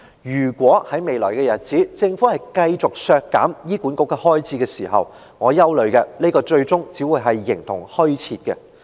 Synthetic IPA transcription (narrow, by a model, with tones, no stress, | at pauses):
jyː˨˩kʷɔː˨˥hɐ˨˥jme˨˧jlɔ̰ː˨˩jkɛː˧jɐ˨t̚t͡siː˨˥t͡sɪ˧ŋfu˨˥hɐ˨jkɐ˧jt͡sʊ˨k̚sœː˧kːa̰ː˨˥mjiː˥kuː˨˥nkʊ˨˥kːɛ˧hɔː˥jt͡sʰiː˨˧kɛː˧siː˨˩ɦɐ̰˨w | ŋɔː˨˧jɐ˥wlɵ˨˧kɛ˧ne˥kɔː˧t͡ʃɵ˧ɥt͡sʊ˥ŋt͡siː˨˥wuː˨˧jɦɐ˨jːɪ˨˩ŋt̪ʰʊ˨˩ŋhɵ˥ɥt͡sʰiː˧t̚kɛ̰˧